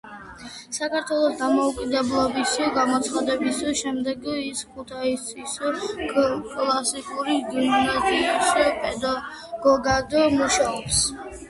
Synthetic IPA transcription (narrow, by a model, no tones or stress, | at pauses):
sakʰaɾt̪ʰwɛlˠɔsd̪amɔukʼid̪ɛblˠɔbisɡamɔt̪sʰχad̪ɛbisʃɛmd̪ɛɡiskʰut̪ʰaissis | kʼlˠasikʼuɾiɡimnat̪ʼiispʼɛd̪a | ɡ̥ɔɡad̪ɔmuʃaɔps